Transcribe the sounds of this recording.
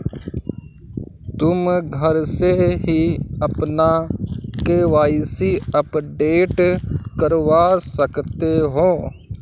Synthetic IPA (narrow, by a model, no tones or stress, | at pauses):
t̪ʊmɡʱəɾseɦiːəpnaːkeːʋaːisiːəpɖeːʈkəɾʋaːsəkt̪eɦoː